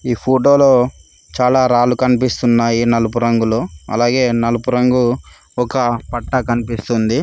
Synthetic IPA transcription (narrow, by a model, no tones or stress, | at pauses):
iːpʰoːʈoːlo̞ː | t͡ʃaːlaːɾaːlukɐnipist̪unːaːjinɐlup̬uɾɐŋɡuloːɐ̰laːɡe̞ːnɐlupuɾɐŋɡu | ɔkɐpɐʈːɐkɐnipist̪und̪i